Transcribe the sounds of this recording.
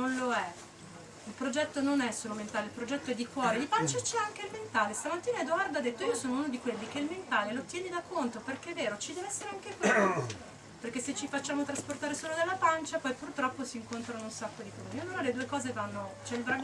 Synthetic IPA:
nonloɛ | ilpɾod͡ʒɛt̪ːononɛsoloment̪aːleilpɾod͡ʒɛt̪ːoɛd̪ːikwɔːɾed̪ipant͡ʃat͡ʃɛaŋkeilment̪aːlest̪amat̪ːiːnaed̪oard̪ad̪et̪ːoiːosoːnounod̪ikwelːikeilment̪aːlelot̪jɛːnid̪akːont̪operkeɛvːeːɾot͡ʃid̪ɛːveɛsːeɾeaŋkekweo | perkesːet͡ʃːifat͡ʃːaːmot̪ɾasport̪aːɾesoːlod̪elːapant͡ʃapɔjpurt̪ɾɔpːosiːŋkont̪ɾanounsakːod̪ikɔionunaled̪uːekɔːzevanːot͡ʃɛilvɾaɡ

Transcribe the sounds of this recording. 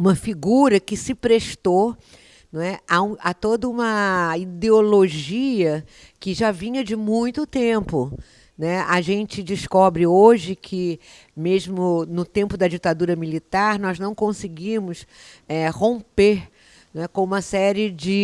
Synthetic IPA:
ũmɐfiɡuɾɐkɪsɪpɾeʃt̪o | ñɛaũat̪od̪ɐũmɐid̪eoloʒiɐ | kɪʒavĩɲɐd͡ʒɪmũj̃t̪ʊt̪ẽmpʊ | nɛaʒẽnt͡ʃɪd͡ʒɪskɔbɾɪoʒɪkʰɪ | mezmʊnʊt̪ẽmpʊd̪ɐd͡ʒit̪ad̪uɾɐmilit̪aɾnɔznɐ̃w̃kõsɪɡĩmʊs | ɛhõpeɾ | ñɛkõũmɐsɛɾɪd͡ʒɪ

